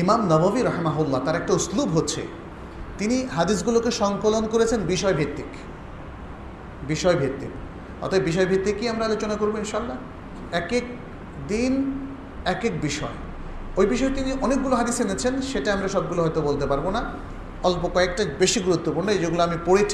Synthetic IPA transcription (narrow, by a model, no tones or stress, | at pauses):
imamnɔbabiɾaɦimaɦulːat̪aɾɛk̚ʈauslubɦotːɕʰḛ | t̪iniɦad̪is̬ɡulokeʃɔŋkolonkoɾet͡ɕʰenbiʃɔebʱet̪ːik | biʃɔebʱet̪ːḭk | hɔ̰t̪ʰabebiʃ̬ɔebʱet̪ːikːiamɾaalot͡ɕonakoɾbeinʃaalːa | ɛkek̚ | d̪in | ɛkek̚biʃɔ̰e | ojbiʃɔet̪iniʔɔnek̚ɡuloɦad̪isenet͡ɕʰenʃeʈaamɾaʃɔb̚ɡuloɦɔjt̪obolt̪epaɾbona | olpokɔek̚ʈabeʃiɡuɾut̪ːopuɾɽnoed͡ʑeɡuloamipoɽet͡ɕʰ